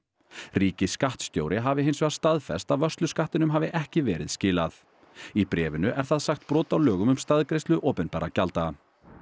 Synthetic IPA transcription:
riːcɪskaht̪st̪jo̰wɾʔɪɦaːvɪɦejnsʏɣast̪aðfɛ̰st̪aðvœr̥st̪lʏskaht̪ɪnʏmɦaːvɪʔɛhcɪvɛːɾɪ̰ðscɪːlaθ | ipɾɛːvɪnʏʔɛɾ̥θaðsaxt̪pɾɔːt̪awlœːɣʏmʏmst̪aðkɾejst̪lʏʔoːwpɛnpɛɾacalt̪a

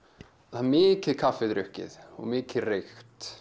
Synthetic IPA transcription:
θanmɪːcɪðkʰafːɪðɾʏhcɪ̰ðɔ̰ɣmɪːcɪðrejxt̪

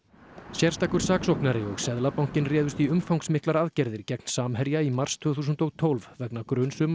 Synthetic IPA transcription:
sjɛr̥t̪aːkʏɾ̥saːksɔhknaɾɪɔɣsɛðlapawŋ̥cɪnrɛːðʏst̪iʏmfawŋksmɪhklaɾaðcɛɾðɪɾ̥cɛkn̥saːmɦɛɾjaimar̥st̪ʰvʏːθuːs̬ʏnt̪oɣt̪ʰowlvvɛknakɾʏnsʏma

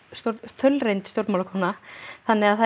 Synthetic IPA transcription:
sjoɾt̪ʰœlrejnt̪st̪jowɾt̪mawlakʰɔnaθanːɛɣaðθa

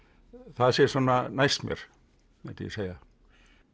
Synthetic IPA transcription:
θaðsjɛɾ̥sɔːnːanajst̪mjɛ̰ɾ̥ | ɛt̪ɪ̰jɛ̰seːja

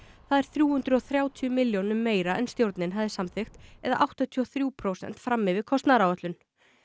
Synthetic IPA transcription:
θaðɛɾ̥θɾjuːhʏnt̪ɾʏɔθɾjaːwt̪ʰiʏmɪljownʏmːeːjɾaʔɛnst̪jowɾt̪nɪnɦavðɪsamθɪxt̪ɛðaʔawht̪at̪ʰiɔθɾjuːpʰɾowsɛ̰n̥t̪fɾamːɪvɪɾkʰɔst̪naɾawœt̪lʏn

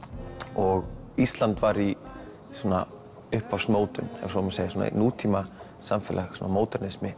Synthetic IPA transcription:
ɔɣist̪lant̪vaɾi | sɔːna | ʏhpafsmoːwt̪ʏnɛ̰vsɔmseːjɪsuːna̰nuːt̪ʰiːma | samfɛːlaxsɔnamoːwt̪ɛɾnɪsmɪ

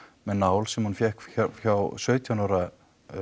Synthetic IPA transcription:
mɛðnaːwlsɛmhunfjɛhkaçawsœɥt̪ʰjanawɾa

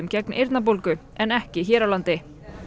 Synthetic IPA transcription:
ʏmcɛknḛjɾt̪nap̬olkʏ | ɛnɛhcɪçɛːɾawlant̪ɪ

